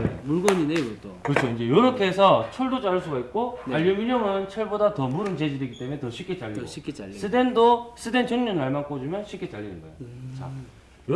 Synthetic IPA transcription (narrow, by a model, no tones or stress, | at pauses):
muɭɡoɲinekɯtʰokɯʌt͡ɕʰoind͡ʑe̞jʌɾʌkʰeːsʰʌt͡ɕʰoɭdot͡ɕ͈aɭs͈uɡait̚k͈oaʎːʌmiɲʌŋɯnt͡ɕʰʌɭbodatʌmuɾɯnt͡ɕed͡ʑidwe̞ɡit͈e̞mune̞tʌɕʰik͈ʰet͡ɕ͈aʎːis͈ʰɯdendos͈ʰɯde̞nt͡ɕʰʌŋɲʌnːaɭmank͈od͡ʑimjʌnɕʰipk͈ʰet͡ɕ͈aʎːinɯnɡʌḛjot͡ɕa̰ | j